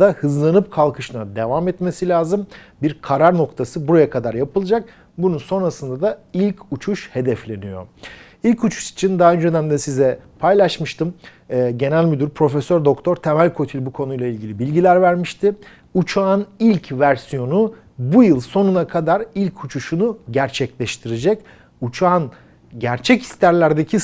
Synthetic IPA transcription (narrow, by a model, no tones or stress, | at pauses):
ahɯzlˠanɯp̚kʰalˠkʰɯʃɯnad̪e̞vamɛt̪me̞silʲaːzɯmbiɾkʰaɾaɾno̞kt̪ʰasɯbuɾajakʰad̪aɾjapʰɯlˠɯd͡ʒak̚ | bununso̞nɾasɯnd̪ad̪ailʲcʰut͡ʃʰuʃhe̞d̪ɛflʲe̞nijo̞̰ | ilʲcut͡ʃʰu̥ʃi̥t͡ʃʰind̪aɦaønd͡ʒed̪æmd̪ɛsizɛpʰajlˠaʃmɯʃt̪ʰɯmː | ɟe̞nælʲmyd̪yɾpʰɾo̞fesøɾd̪o̞kt̪ʰoɾt̪ʰe̞mælʲkʰo̞t̪ʰilʲbukʰo̞nujlˠailʲɟilʲibilʲɟilʲæɾvæɾmiʃt̪ʰɪ | ut͡ʃʰaːnilʲcʰvæɾsijo̞nu | bujɯlˠso̞nunakʰad̪aɾilʲcʰut͡ʃʰuʃunuɟæɾt͡ʃʰɛclʲɛʃt̪ʰiɾed͡ʒɛc | ut͡ʃʰaːn | ɟæɾt͡ʃʰɛcʰi̥st̪ʰæɾlʲæɾd̪ecʰi